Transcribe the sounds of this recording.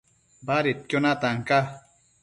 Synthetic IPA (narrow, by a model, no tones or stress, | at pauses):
baɾit̪̚kjonat̪aŋka